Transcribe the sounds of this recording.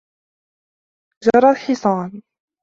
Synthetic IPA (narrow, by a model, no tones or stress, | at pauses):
d͡ʒɑɾˤɑlħɪsˤɑːn